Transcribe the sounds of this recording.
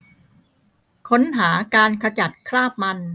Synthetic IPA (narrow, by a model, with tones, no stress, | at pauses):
kʰo˦˥nɦaː˩˦kaː˧nkʰa˧t͡ɕa˨˩t̪̚kʰɾaː˥˩p̚ma˧n